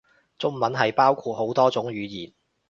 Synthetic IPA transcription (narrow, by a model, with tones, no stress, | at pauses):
t͡sʊ˥ŋmɐ˨˥nɦɐ˨jpaː˥wkʷʰuː˧t̚ɦo˨˥wt̪ɔː˥t͡sʊ˨˥ŋɥyː˨˧jiː˨˩n